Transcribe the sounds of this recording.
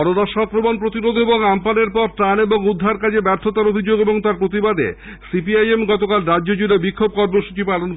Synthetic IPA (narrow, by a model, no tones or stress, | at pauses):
ɔɾoɾaʃɔkɾomonpɾot̪iɾod̪ʱeboŋampaneɾpɔɾʈaneboŋud̪ʱːaɾkad͡ʑʰebɛɾt̪ʰot̪aɾobʱid͡ʑoɡeboŋt̪aɾpɾot̪̬ibad̪ḛ | sipiajemɡɔt̪okalɾadd͡ʑod͡ʑuɾebikʰːob̚kɔɾmoʃu̥t͡ɕipalon